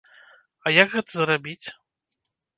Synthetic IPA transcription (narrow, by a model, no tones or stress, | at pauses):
ɐjɐɡɣɛt̪ɐzɾabʲit͡sʲ